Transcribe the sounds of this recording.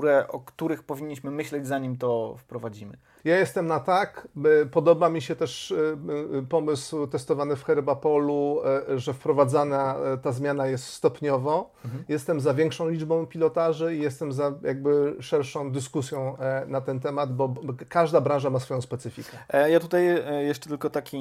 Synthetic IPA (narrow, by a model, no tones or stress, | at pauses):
uɾɛʔɔ̰kt̪uɾɘxpɔvʲiɲːiɕmɘmɘɕlɛd͡ʑzaɲimt̪ɔfpɾɔvad͡ʑimɘ̰ | jajɛst̪ɛmnat̪akpɔd̪ɔbamʲiɕɛt̪ɛʂ | pɔmɘswt̪ɛst̪ɔvanɘfxɛɾbapɔluʐɛfpɾɔvad̪zanat̪azmʲjanajɛst̪st̪ɔpɲɔvɔ | jɛst̪ɛmzavʲjɛŋkʂɔ̃w̃lʲid͡ʐbɔ̃w̃pʲilɔt̪aʐɘijɛst̪ɛmzajʔaɡ̚bɘʂɛɾʂɔ̃w̃d̪ɘskusʲjɔ̃w̃nat̪ɛnt̪ɛmad̪bɔkaʐd̪abɾãʐamasfɔjɔ̃w̃spɛt̪sɘfʲikɛjat̪ut̪ajjɛʂt͡ʂɛ̥t̪ɘlkɔt̪akʲi